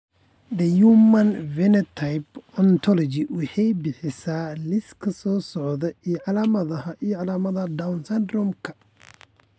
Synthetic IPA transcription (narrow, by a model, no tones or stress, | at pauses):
d̪ɐjuːmɐnvɛnɛt̪ʰajbɔnt̪ʰɔlɔd͡ʒɪwɑħɑjbɪħɪsaːlɪskʰɐsɔːsɔʕðɐiʕɑlaːmɐðɐhɐʔijɔʕɑlaːmɐðɐd̪awnsɐnd̪ɾɔmkʰɐ